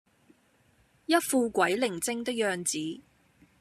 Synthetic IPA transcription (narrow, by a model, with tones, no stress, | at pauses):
jɐ˥t̚fuː˧kʷɐ˨˥jlɪ˨˩ŋt͡sɪ˥ŋt̪ɪ˥k̚jœː˧ŋt͡siː˨˥